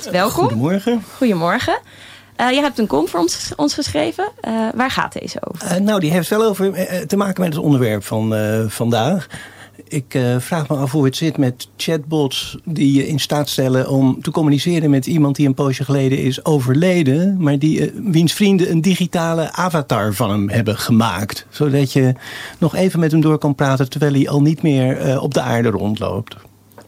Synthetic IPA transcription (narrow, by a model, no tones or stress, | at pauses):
ʋɛlˠkɔdəmɔɹχəχujəmɔɹχə | jəɦɛp̚tənkɔmfɹɔnɔ̰nsχəsχrejvəʋaːɹχa̰ːt̚dḛjzəo̰wvnowdiɦejftʋɛlˠowvəɹtəmaːkənmɛtətɔ̰ndəɹʋɛɹpfɑnvɑndaːχɪkfraːχməɑfɦuɦətsɪtmɛtt͡ʃɛd̚bɔtsdijəʔɪnstaːtstɛlənʔɔmtəkɔmynisɪːrənmɛtimɑnt̚diənpowʃəχəlejdəɪ̰sowvəɹlejdənmaːɹdiʋinsfrindəəndiχitaːləʔaːvatɑːɹvɑnəmɦɛbəχəma̰ːktsowdɑtjənɔχejvənmɛtɦɛmdʊːɹkɑnpraːtəntəɹʋɛjlˠiʔɑ̰lˠnitmɪːɹɔ̰b̚dəa̰ːɹdərɔ̰ntlo̰wpt